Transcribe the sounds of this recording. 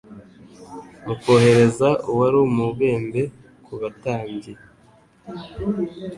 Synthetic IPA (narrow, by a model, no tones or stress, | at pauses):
muko̞ːhe̞ɾe̞zauwaɾomuβe̞ːmbe̞ | kʰuβataːɲɟe